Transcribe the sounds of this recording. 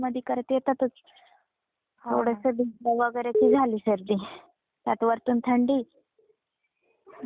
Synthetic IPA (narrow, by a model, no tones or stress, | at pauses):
məd̪ʱjikəɾt̪jet̪at̪ut͡s | t̪ʰoɽəsəb̪ilaʋəɡəjɾat͡ɕiːd͡zʱaliːsəɾd̪i | t̪jat̪ʋəɾt̪uːnt̪ʰəɳɖiː